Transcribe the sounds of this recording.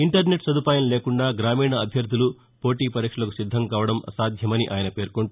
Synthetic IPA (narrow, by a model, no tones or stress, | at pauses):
iɳʈɐɾne̞ʈsɐd̪ʱupaːjɐmleːkuɳɖaːɡɾaːmiːɳɐːbʱjɐɾd̪ʱulu | po̞ːʈiːpɐɾiːkʂɐlɐku̥sid̪ʱːɐŋkaːʋɐɽɐmɐ̰saːd̪ʱjɐmɐniʔaːjɐnɐpe̞ːɾkoɳu